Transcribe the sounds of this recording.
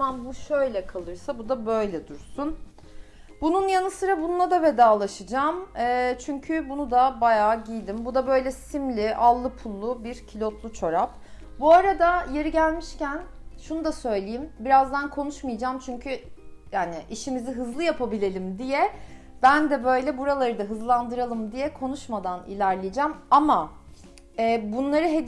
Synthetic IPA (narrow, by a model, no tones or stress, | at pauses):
anbuʃøjlʲɛkʰalˠɯɾsabud̪abø̞jlʲɛd̪uɾsun | bununjanɯsɯɾabunulˠad̪ave̞d̪aːlˠaʃɯd͡ʒaːmɛːt͡ʃʰyɲcʰybunud̪abajaːɟijld̪imbud̪abø̞jlʲɛsimlʲiʔalˠːɯpʰulˠːʊbiɾcʰilʲo̞t̪lˠut͡ʃʰo̞ɾap̚ | buaɾad̪aje̞ɾiɟælʲmiʃcænʃunud̪asø̞jlʲejimbiɾazd̪ankʰo̞nuʃmijd͡ʒaːmt͡ʃʰyɲcʰyjaːnɪʔiʃimiziɦɯzlˠɯjapʰabilʲe̞lʲimd̪ijɛ | b̥ænd̪ɛbø̞jlʲɛbuɾalˠaɾɯd̪aɦɯzlˠand̪ɯɾalˠɯmd̪ijɛkʰo̞nuʃmad̪anḭlʲæɾlʲijd͡ʒamama | ɛːbunlˠaɾɯɦed̪